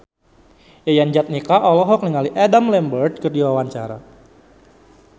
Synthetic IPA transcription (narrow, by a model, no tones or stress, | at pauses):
jajand͡ʒat̪̚nikaʔɔlɔɦɔk̚niŋaliʔɛdamlɛmbərt̪̚kərdiwawaɲt͡ʃa̰ɾa̰